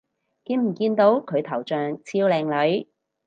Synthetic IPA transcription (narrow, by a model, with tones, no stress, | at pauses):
ki˨˧˥ŋm̩˨˩kiː˧nt̪o˨˥wkʰɵ˨˧ɥt̪ʰɐ˨˩wt͡ʃœː˨ŋt͡sʰiː˧wlɛː˨˧ŋlɵ˨˥ɥ